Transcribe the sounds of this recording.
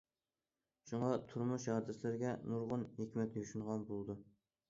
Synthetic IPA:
ʃuɴɑt̪ʰuɾmuʃhɑd̪ɛslɪɾɡʲɛnuɾʁʊnhekʲmɛt̪ʰjyʃunʁɑnbolˠd̪u

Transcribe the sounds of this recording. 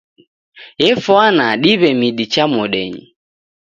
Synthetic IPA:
jɛfwanaɗiβɛmiɗit͡ʃamɔɗɛɲḭ

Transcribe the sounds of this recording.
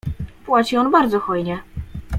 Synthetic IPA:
pwat͡ɕiɔnbaɾd̪zɔxɔjɲɛ

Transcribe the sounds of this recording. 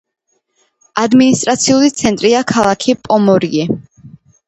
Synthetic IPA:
ad̪minist̪ʼɾat̪sʰiulit̪sʰɛnt̪ʼɾiakʰalˠakʰipʼɔmɔɾiɛ

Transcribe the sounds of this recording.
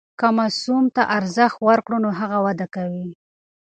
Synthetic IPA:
kamasumt̪aʔaɾzəxt̪waɾkɽonoɦaɣawad̪akawi

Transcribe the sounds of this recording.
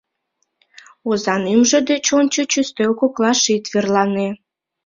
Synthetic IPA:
ozɑnimʒĕd̪et͡ɕonʲt͡ɕot͡ɕyst̪økoklɑʃit̪verlɑne

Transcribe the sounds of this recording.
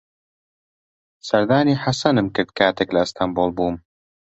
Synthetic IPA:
sɐɾd̪aːniːħasɐnɨmkɨɾd̪̚kʰaːt̪eklɐɨst̪ʰamboːlˠbuːm

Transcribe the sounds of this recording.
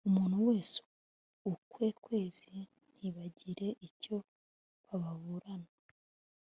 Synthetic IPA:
umuːnhuwe̞ːsu̥ | ukwe̞kwe̞ːz̥i | n̥hiβaɟiɾe̞ʔico̞ | βaβaβuɾana

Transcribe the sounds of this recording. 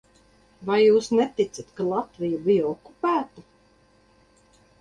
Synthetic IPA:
vajːuːsnet̪it̪sat̪kalˠat̪vijubijɔɔkːupæːt̪u

